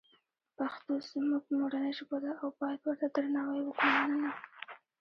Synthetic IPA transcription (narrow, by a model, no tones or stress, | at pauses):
paxt̪ozmuɡmoɽanaʒbod̪aawbɑjad̪wəɾt̪ad̪ɾanawajwəkɽomanəna